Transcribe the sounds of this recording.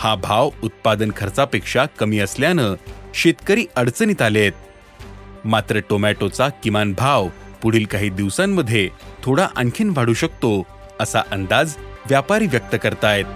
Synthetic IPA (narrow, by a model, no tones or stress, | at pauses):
habʱaʋut̪̚pad̪ənkʰəɾt͡sapekʂakəmiːəsljanəɕet̪kəɾiːʔəɽt͡sənit̪alet̪̚ | mat̪ɾəʈomæʈot͡sakimanbʱaʋpuɽ̤iːlkaɦiːd̪iʋsamːəd̪ʱːjet̪ʰoɽaʔəŋkʰiːnʋ̤ʱaɽuːɕək̚t̪o | əsa̰ʔənd̪ad͡zʋjapaɾiːʋjək̚t̪əkəɾt̪ajt̪̚